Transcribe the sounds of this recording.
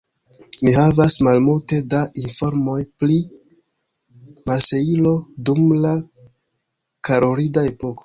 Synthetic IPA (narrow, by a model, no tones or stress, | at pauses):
mihavasmalmulte̞daʔinfo̞ɾmo̞jpli | malse̞ilo̞dumla | kaɾoɾidae̞po̞ko̥